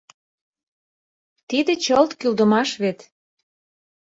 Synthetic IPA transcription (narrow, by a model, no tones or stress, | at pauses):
t̪id̪et͡ɕɤlt̪kyld̪ə̆mɑʃβet̪